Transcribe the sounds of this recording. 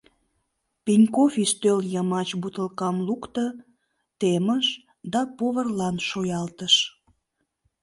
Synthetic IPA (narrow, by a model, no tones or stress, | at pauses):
pinʲkofiʃt̪øljəmɑt͡ɕbut̪əlkɑmlukt̪ə | t̪eməʃ | d̪ɑpoβərlɑnʃojɑlt̪əʃ